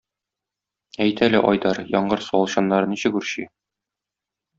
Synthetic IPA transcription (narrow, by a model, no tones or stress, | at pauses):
æjt̪ʰælæʔɒjd̪ɑɾjɒɴɢɤɾsuɒlˠɕɑnːɑɾɤniɕɘkʉɾɕi